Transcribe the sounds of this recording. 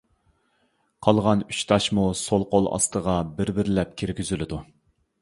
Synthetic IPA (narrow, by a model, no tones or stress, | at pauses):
qʰɑlˠʁɑnyt͡ʃt̪ʰɑʃmusolˠqolˠɑ̰st̪ʰəʁɑbɪɾbɪɾɪlɛp̚kʲʰiɾɡʲyzylɪd̪u